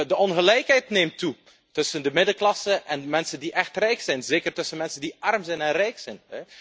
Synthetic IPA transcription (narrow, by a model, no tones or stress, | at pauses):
dəɔnɣəlɛjkɦɛjtneːmtu | tɵsəndəmɪdəklɑsəʔɛnmɛnsəndiʔɛxtrɛjksɛjnzeːkərtɵsənmɛnsəndiʔɑrmzɛjnɛnrɛjksɛjnɦɛ